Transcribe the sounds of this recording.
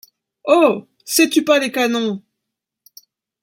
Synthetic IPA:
o | sɛt̪ypalekanɔ̃

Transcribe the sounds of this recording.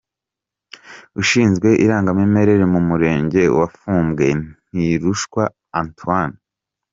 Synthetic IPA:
uʃiːnzɡwe̞ʔiɾaːŋɡameme̞ɾe̞ɾemumuɾe̞ːɲɟe̞̰wafuːmbɡe̞n̥iɾuʃkwa | antuwan

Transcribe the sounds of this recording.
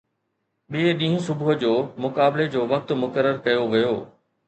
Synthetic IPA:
ɓieɗĩɦũsʊbʊɦʊd͡ʑoːmʊkaːbɪled͡ʑoːʋɐk̚t̪mʊkəɾːəɾkɐjoʋɐjoː

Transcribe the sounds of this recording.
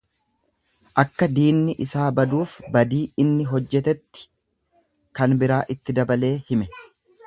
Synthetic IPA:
ʔɐkːɐd̪iːnːɪʔɪsaːbɐd̪uːfbɐd̪iːɪnːɪɦɔd͡ʒːɛt̪ɛt̪ːɪ̥ | kɐnbɪɾaːʔɪt̪ːɪd̪ɐbɐle̞ːhɪmɛ

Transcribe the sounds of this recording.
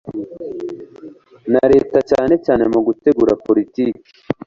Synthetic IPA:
naɾe̞ːtat͡ʃaːne̞t͡ʃaːnemuɡute̞ɡuːɾapoɾitiːki̥

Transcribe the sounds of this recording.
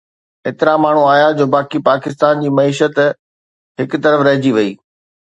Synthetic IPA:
eːt̪ɪɾamaːɳ̤ũaːjad͡ʑoːbaːkipaːkɪst̪aːnd͡ʑiːmɐiːʃət̪ | ɦɪkt̪ɐɾəfɾɐɦɪd͡ʑiʋɐiː

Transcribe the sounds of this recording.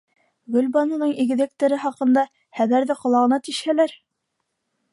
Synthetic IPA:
ɡɵ̆lbɑnŭnɤɴiɡɘ̆ðɘ̆k̚t̪ɘ̆ɾɘχɑqɤ̆nd̪ɑ | χæβæɾðɘqŏlˠɑʁɤ̆nɑt̪iʃhælæɾ

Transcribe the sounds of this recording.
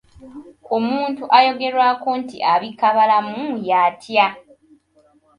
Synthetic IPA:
omuːntuʔajo̞ɡe̞ɾwaːkontḭʔaβikaβalamujaːtʰja

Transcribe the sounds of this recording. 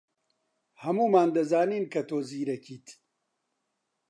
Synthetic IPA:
hɐmuːmaːnd̪ɐzaːniːnkʰɐt̪oːziːɾɐkiːt̪ʰ

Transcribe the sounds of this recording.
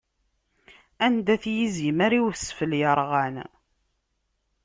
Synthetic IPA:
ænd̪æθjizimæɾiwθsfəljəɾˤʁæn

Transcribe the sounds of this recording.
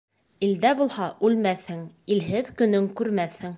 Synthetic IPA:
ild̪æbulˠhɑʔʉlmæθhɘŋilɦɘðkɵ̆nɵŋkʉɾmæθhɘŋ

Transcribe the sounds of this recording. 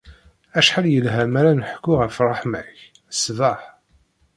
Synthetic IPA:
æʃħaljəlɦæmæɾænəħkːʊʁəfrˤɑħmæç | sðɑħ

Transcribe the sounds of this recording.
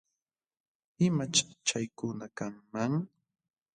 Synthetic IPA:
ɪmat͡ʃt͡ʃajkʊnakaŋmaŋ

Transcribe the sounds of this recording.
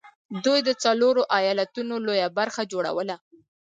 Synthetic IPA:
d̪ujd̪ət͡saloɾoʔajɑlat̪unolojabaɾxad͡ʒoɽa̰wəla

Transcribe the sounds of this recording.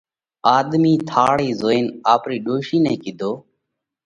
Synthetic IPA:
aːd̪miːt̪ʰaːɽiːzoːeːnaːpɾiːɗoːʃiːnɛ̃ːkɪd̪ʱoː

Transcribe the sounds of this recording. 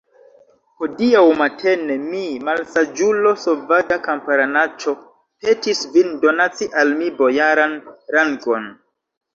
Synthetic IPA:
hodiawmatʰe̞nemimalsad͡ʒulo̞sovaɡakampaɾanat͡ʃo̞ | pe̞tisvindo̞nat͡siʔalmibo̞jaɾanɾaŋɡo̞n

